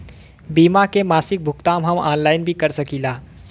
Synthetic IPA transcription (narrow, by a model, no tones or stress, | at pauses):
bimakemasik̚bʱukt̪amɦəma̰ːnlaɪnbʱikəɾsəkila